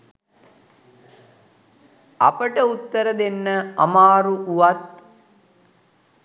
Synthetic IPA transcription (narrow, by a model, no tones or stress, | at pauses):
a̰pəʈəut̪ːəɾəd̪enːəa̰maːɾuʔuʋat̪̚